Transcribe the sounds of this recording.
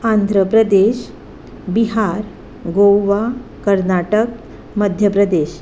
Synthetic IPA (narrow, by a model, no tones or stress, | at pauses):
and̪ʱɾəpɾəd̪eɕ | biɦaɾ | ɡowʋakəɾnaʈək | məd̪ʱjəpɾəd̪eɕ